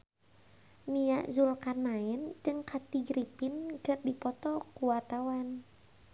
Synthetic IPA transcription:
niaʔzulkanaɛnd͡ʒɨŋkat̪iɡɾipinɡər̚dipɔt̪ɔkuwart̪awan

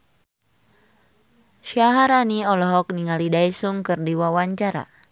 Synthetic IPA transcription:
ʃaɦaɾaniɔlɔɦɔk̚niŋalidaisuŋkɨrdiwawaɲt͡ʃaɾa̰

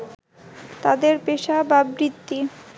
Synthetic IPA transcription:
t̪ad̪eɾpeʃababɾit̪ːi

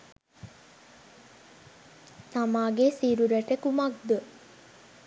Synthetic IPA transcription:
t̪amaːɡesiɾuɾəʈəkumak̚d̪ə

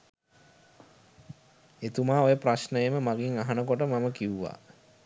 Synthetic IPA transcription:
et̪umaːojəprasnəjeməmaɡiŋaɦanəkoʈəmaməkiuʋa̰

